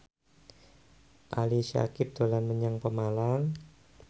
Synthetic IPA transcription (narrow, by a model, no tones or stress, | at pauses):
ʔaliʃa̰kɪp̚d̪̥olanməɲaŋpəmalaŋ